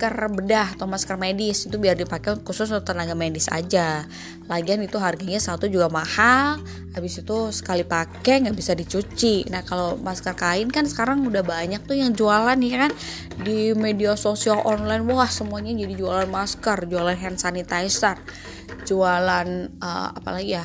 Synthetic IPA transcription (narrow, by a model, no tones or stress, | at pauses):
kərbədaht̪omaskərmedɪsint̪ubiardipakenkusʊst̪ənaɡamedɪsa̰d͡ʒa | laɡianit̪uɦarɡaɲasat̪ud͡ʒuɡamahal | abɪsit̪usə̥kalipakɛŋɡaʔbisadit͡ʃut͡ʃinahkalomaskərkaɪnkansə̥kaɾaŋudahbaɲak̚t̪ujaŋd͡ʒualanjakan | dimediasosialʔɔnlajnwahsəmuaɲad͡ʒadid͡ʒualanmaskərd͡ʒualanɦɛnsanit̪ajsər | d͡ʒualanə̰a̰pa̰laɡija